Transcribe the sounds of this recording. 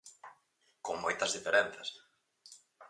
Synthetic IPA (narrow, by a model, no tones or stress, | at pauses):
koŋmojt̪ɐzðifeɾen̟θɐs